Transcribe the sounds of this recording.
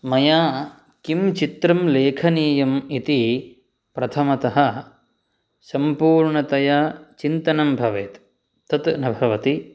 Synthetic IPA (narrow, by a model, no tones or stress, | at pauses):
mɐjaː | kimt͡ʃit̪ɾɐmleːkʰɐniːjɐmit̪i | pɾɐt̪ʰɐmɐt̪ɐɦɐ | sɐmpuːɾɳɐt̪ɐjɐt͡ʃint̪ɐnɐmbʱɐʋeːt̪ | t̪ɐt̪nɐbʱɐʋɐt̪i